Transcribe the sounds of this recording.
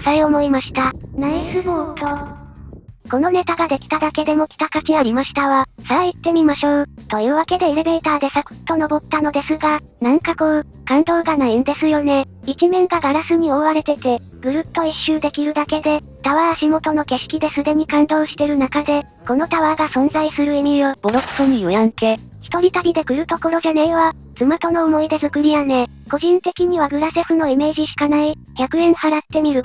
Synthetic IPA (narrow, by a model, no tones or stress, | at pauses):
saiomo̞imaɕi̥t̪anaisɨmot̪ʰo | ko̞no̞ne̞t̪aɡad̪e̞kʲi̥t̪ad̪ake̞d̪e̞mo̞kʲi̥t̪akakʲiaɾʲimaɕi̥t̪aβasait̪ːe̞mʲimaɕoːt̪o̞ɯβake̞d̪e̞ːɾe̞be̞ːt̪aːd̪e̞sako̥t̪ːo̞no̞bo̞t̪ːano̞d̪e̞sɨɡa | nãŋkakoː | kãnd̪o̞ːɡanaind̪e̞sɨjo̞ne̞ | ikʲimẽ̞ŋɡaɡaɾasɨɲ̟io̞βaɾe̞t̪e̞t̪e̞ | ɡ̥ɯ̟ɾɯ̟t̪ːo̞iɕːɨːd̪e̞kʲiɾɯ̟d̪ake̞d̪e̞ | t̪aβaːɕimo̞t̪o̞no̞ke̞ɕi̥kʲid̪e̞sɨd̪e̞ɲ̟ikãnd̪o̞ːɕi̥t̪e̞ɾɯ̟nakad̪e̞ | ko̞no̞t̪aβaɡasõ̞nzaisɨɾɯ̟emʲijob̥oɾoksoɲijojãŋke̞ː | çi̥t̪o̞ɾʲit̪aɾʲid̪e̞kɯ̟ɾɯ̟t̪o̞ko̞ɾo̞ʑane̞iβa | t͡sɨmat̪o̞no̞ːmo̞id̪e̞zɨkɯ̟ɾʲijane̞ | ko̞ʑĩnt̪e̞kʲiɲ̟iβaɡɯ̟ɾase̞ɸɯ̟no̞ime̞ːʑiɕi̥kanai | çʲakɯ̟ẽ̞ɰ̃haɾat̪ːe̞mʲiɾɯ̟